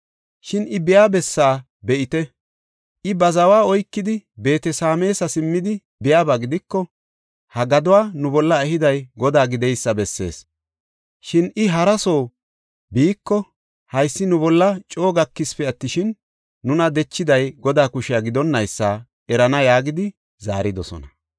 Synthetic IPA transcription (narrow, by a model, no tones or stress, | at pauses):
ʃɪnʔɪbɪjaːbɛsːaː | bɛʔɪt̪ɛ | ʔɪbɐzɐwaːɔjkːɪd̪ɪbe̞ːt̪ɛsaːme̞ːsɐsɪmːɪd̪ɪ | bɪjaːbaɡɪd̪ɪkːɔ | hɐɡɐd̪ʊwaːnʊbɔlːɐɛhɪd̪ɐjɡɔd̪aːɡɪd̪ɛjsːɐbɛsːe̞̰ːs | ʃɪnɪɦɐɾɐso̞ː | biːkːɔ | hɐjsːɪnʊbɔlːɐt͡ʃʼo̞ːɡɐkːɪspɛɐt̪ːɪʃɪnː | ʊnɐd̪ɛt͡ʃːɪd̪ɐjɡɔd̪aːkʊʃɪjaɡɪd̪ɔnːɐjsːaː | ʔɛɾɐnɐjaːɡɪd̪ɪ | za̰ːɾɪd̪ɔsɔ̰nɐ